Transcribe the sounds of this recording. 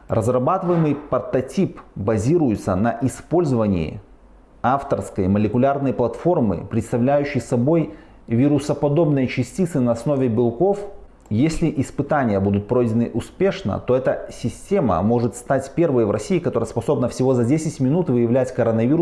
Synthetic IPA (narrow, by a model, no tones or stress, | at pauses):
rʔəzrɐbat̪ɨvəjɪmɨjpət̪ɐtʲipbɐzʲiɾʊjʊt̪sənɐʔɪspo̞lʲzəvənʲɪ̰ɪ̰ | aft̪ərskəjməlʲɪkʊlʲarnəjplˠɐt̪fo̞rmɨ̰pɾʲɪt̪st̪ɐvlʲæjʉɕːɪjsɐbo̞j | vʲiɾʊsəpɐd̪o̞bnəjət͡ɕɪsʲtʲit̪sɨnɐɐsnovʲɪbʲɪlˠko̞f | jesʲlʲɪʔɪspɨt̪anʲɪjəbud̪ʊt̪̚pɾo̞jdʲɪnɨʔʊspʲe̞ʂnə̰t̪o̞ɛt̪əsʲɪsʲtʲe̞mə̰mo̞ʐɨt̪st̪atʲpʲe̞rvəjvrʔɐ̰sʲiːkɐt̪o̞ɾəjəspɐso̞bnəfsʲɪvo̞zɐdʲesʲɪtʲmʲɪnut̪vɨjɪvlʲætʲkɐɾənɐvʲiɾʊ